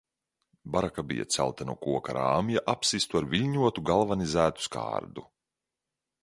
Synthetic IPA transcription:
baɾakabḭja̰t̪sæ̰lˠt̪anṵɔkuɔka̰ɾa̰ːmjaʔapsist̪uaɾvʲilʲɲuɔt̪uɡalˠvanizæːt̪u̥ska̰ːɾd̪u

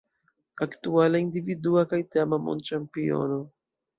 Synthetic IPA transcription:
akt̪ualaind̪ividuakajt̪amamo̰nt͡ʃampio̰no

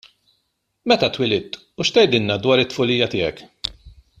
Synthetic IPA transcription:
mɛt̪ɐt̪wɪlɪt̪ː | uʃt̪ɛjd̪ɪnnɐd̪wɐːɾɪt̪ːfʊlijɐt̪ɪːɛ̰k

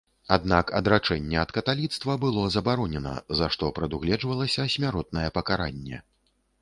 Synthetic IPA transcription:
ad̪nakɐd̪ɾat͡ʂɛnʲːɛɐt̪kɐt̪alʲit̪st̪vɐbɨlˠɔzɐbaɾɔnʲɛnɐ̰zaʂt̪ɔpɾɐd̪uɣlʲɛd͡ʐvɐlˠɐsʲɐsʲmʲaɾɔt̪̚nɐjɛpɐkaɾa̰nʲːɛ̰

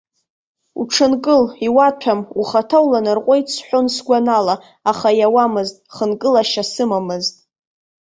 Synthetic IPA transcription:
ṵʈ͡ʂʰɨnkʼɨliwatʷʰamuχatʰawlanɨrqʷʼojt͡sʰħʷᶣonsɡʷanala | aχajawamɨztʼχənkʼɨlaʃasɨmamɨztʼ

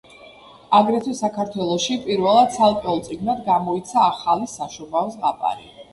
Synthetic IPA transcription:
aɡɾɛt̪ʰwisakʰaɾt̪ʰwɛlˠɔʃipʼiɾvɛlˠad̪sʰalˠkʼɛulˠt̪sʼiɡnad̪ɡamɔit̪sʰaːχalisaʃubavsʁapʼa̰ɾḭ

